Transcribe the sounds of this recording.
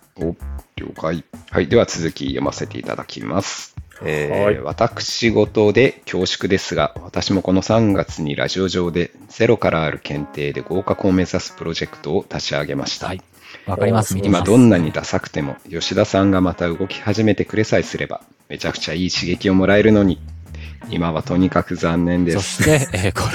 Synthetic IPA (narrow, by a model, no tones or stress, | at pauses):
ookaiha̰id̪e̞βat͡sɨzɨkʲijo̞̰ma̰se̞t̪e̞̰ḭt̪a̰d̪akʲḭmasɨ̥eːβa̰t̪akɯ̟̥ɕiɡo̞t̪o̞d̪e̞kʲo̞ːɕi̥kɯ̟d̪e̞sɨɡaβat̪aɕimo̞ko̞no̞sãŋɡat͡sɨɲ̟iɾʔa̰ʑio̞ʑo̞ːd̪e̞z̥e̞ɾo̞kaɾʔaːɾɯ̟kẽ̞nt̪e̞ːd̪e̞̰ɡo̞ːkako̞ːme̞zasɨ̥pɯ̟ɾo̞ʑe̞kɯ̥t̪o̞ːt̪at͡ɕiaɡe̞ma̰ɕi̥t̪a̰ | imad̪õ̞nːaɲ̟id̪asakɯ̟̥t̪e̞mo̞̰jo̞ɕid̪asãŋɡamat̪aɯ̟ɡo̞kʲi̥haʑime̞t̪e̞kɯ̟ɾe̞saisɨɾʔe̞ba̰ | me̞t͡ɕakɯ̟̥t͡ɕaiːɕiɡe̞kʲio̞mo̞ɾae̞ɾɯ̟no̞ɲ̟i | imaβat̪o̞ɲ̟ikakɯ̟zãnːẽ̞nd̪es